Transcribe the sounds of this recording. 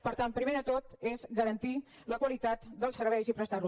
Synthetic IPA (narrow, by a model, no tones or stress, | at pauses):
pəɾt̪ampɾimeðət̪ot̪ezɣəɾənt̪i | ləkwəlit̪at̪d̪əlˠsəɾβ̞ɛjzipɾəst̪aɾlu